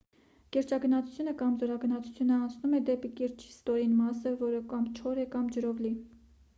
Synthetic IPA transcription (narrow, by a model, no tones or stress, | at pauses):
kɛɾt͡ʃɑɡənɑt͡sʰu̥t͡sʰjunəkɑmzɔɾɑɡənɑt͡sʰu̥t͡sʰjunəɑnt͡sʰnumɛd̪ɛpikɛɾt͡ʃʰi̥st̪ɔɾinmɑsəvɔɾəkɑmt͡ʃʰɔɾɛkɑmd͡ʒəɾɔvli